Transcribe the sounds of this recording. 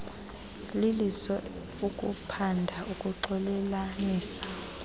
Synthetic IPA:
lilisɔ | ukʼṵpʰandʱaʔukʼuǃɔlɛlaniːsḁ

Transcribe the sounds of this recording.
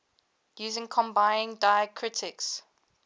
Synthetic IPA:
jʉːzɪ̃ŋkʰɔ̃mbãɪ̃nɪ̃ŋdaɪəkʰɹɪtʰɪks

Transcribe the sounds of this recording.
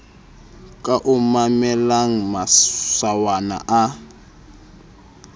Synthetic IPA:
kʼaʔʊmamɛlaŋ̩masawana̰ʔa

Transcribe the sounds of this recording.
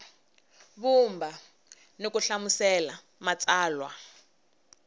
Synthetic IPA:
βumba | nokuɬamusɛla | mat͡sʼaːlwa

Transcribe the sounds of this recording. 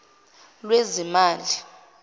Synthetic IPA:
lwezimaːli

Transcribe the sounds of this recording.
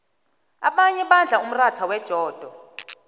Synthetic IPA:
a̰ɓaɲɛɓand͡ɮʱaum̩ratʰawɛd̥ʒ̥ʱɔːd̥ʱɔ

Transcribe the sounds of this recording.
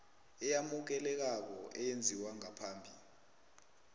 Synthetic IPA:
ɛjamuk̬ɛlɛk̬ak̬ɔʔɛjend͡zʱiwaŋapʰaːmbʱi

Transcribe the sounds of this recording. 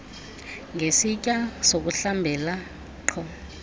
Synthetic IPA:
ŋʱesicʼasok̬uɬambʱɛla | ǃʰɔ

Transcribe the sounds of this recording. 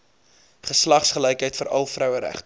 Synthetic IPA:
χəslɐχsχəlɛjkɦəjtfəɾʔɐlˠfrœwəɾæ̰χt

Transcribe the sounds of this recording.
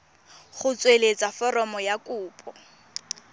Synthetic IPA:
χʊt͡sʼwelet͡sʼafɔrɔmɔjakʼuːpʼɔ

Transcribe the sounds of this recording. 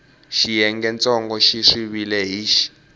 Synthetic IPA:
ʃijɛŋɡɛnt͡sʼɔŋɡɔʃiʂiβilɛɦiːʃi̥

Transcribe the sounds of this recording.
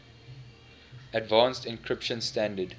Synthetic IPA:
ədvãːnstɪ̃nkʰɹɪpʃə̃nstæ̃ndəd

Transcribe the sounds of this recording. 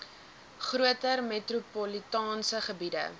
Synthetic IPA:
χruətərmetrupɔlitɑːnsəχəbidə̰

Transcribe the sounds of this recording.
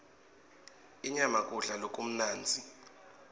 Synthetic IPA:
iɲamakʼuɬalokʼum̩naːnd͡zʱi

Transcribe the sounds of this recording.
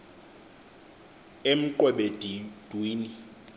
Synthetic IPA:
em̩ǃɛɓedd̥ʱwiːni

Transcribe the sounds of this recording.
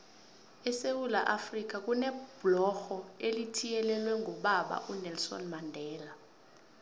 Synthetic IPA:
ɛsewula̰ʔafrik̬ak̬ʼunɛb̥lɔxɔelitʰijɛlɛlwɛŋʱɔɓaɓa̰ʔunɛlsɔ̰nmandʱɛːla

